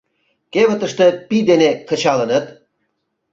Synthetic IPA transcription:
keβə̆t̪ə̆ʃt̪ɤ̆pid̪enekə̆t͡ɕɑlə̆nə̆t̪̚

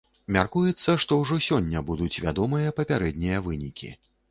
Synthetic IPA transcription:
mʲarkujɛt̪sːɐʂt̪ɔwʐɔsʲɔnʲːɐbud̪ut͡sʲvʲa̰d̪ɔmɨjɐpɐpʲaɾɛd̪ʲnʲijɐvɨnʲikʲḭ

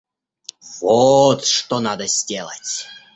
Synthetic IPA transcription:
v̥ot̪ʂt̪onad̪əzʲdʲelˠə̰tʲ

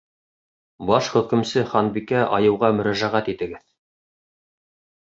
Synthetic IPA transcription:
bɑʃχɵ̆kɘ̆msɘχɑnbikæʔɑjɤ̆wʁɑmɵ̆ɾæʒæʁæt̪it̪ɘ̆ɡɘð

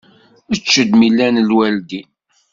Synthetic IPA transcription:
ət͡ʃːəd̪milːænəlwæld̪in

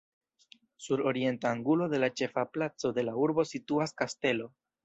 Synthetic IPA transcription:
suɾo̞ɾie̞ntaːŋɡulo̞de̞lat͡ʃe̞faplat͡so̞d̪e̞lauɾbo̞situaskaste̞lo̞

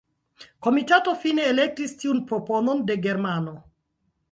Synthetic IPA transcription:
ko̞mitato̞fine̞ːle̞k̚tistiunpɾo̞po̞no̞nde̞ɡe̞ɾmano̞

